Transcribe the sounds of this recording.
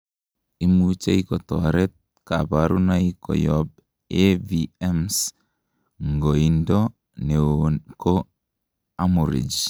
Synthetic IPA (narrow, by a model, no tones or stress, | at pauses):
imut͡ʃeikɔtɔɾɛt̪̚ | kabaɾunaikɔ̰jɔb̚ | eviɛms | ŋɡoindɔ | neonko | amuɾḭd͡ʒ